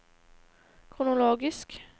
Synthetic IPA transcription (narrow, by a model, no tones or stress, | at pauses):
kʰʁʊnʊloːɡɪsk